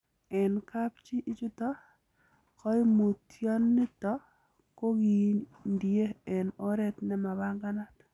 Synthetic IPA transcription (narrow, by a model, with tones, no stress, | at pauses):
ɛ˨nka˦p̚t͡ʃi˦ʔi˦t͡ʃu˦tɔ˦ | kɔ˦mu˨tjɔ˦nːi˦tɔ˦ | ko˦ɡi˨ndje˦ɛ˨nɔ˦ɾɛ˦t̪nɛ˦ma˨βa˦ŋɡa˦na˦t̪